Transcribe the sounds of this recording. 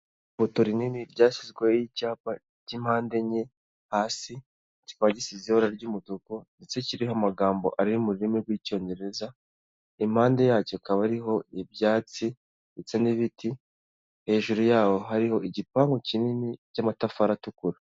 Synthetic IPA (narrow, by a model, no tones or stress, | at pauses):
fotoɾininiɾɟaːʃizɡwejicaːpa | cimhaːnde̞ɲe̞ | haːsi | ci̥kaβaɟisizioɾaɾɟuːmudukondet͡se̞ciɾihamaɡaːmbo̞̰ʔaɾiɾumuɾiɾimiɡwico̞ːɲɟe̞ɾe̞za | im̥haːnde̞jaːco̞kaβaɾiɦo̞ibjaːt͡si | et͡seniβiti | he̞ːʒuɾujaːwo̞ɦaɾiho̞iɟipaːŋɡocininicamatafaɾatukuɾa